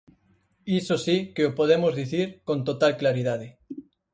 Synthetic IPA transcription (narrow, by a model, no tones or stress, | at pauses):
isosikeopoð̞emozðiθiɾkõnt̪ot̪alklaɾiðaðe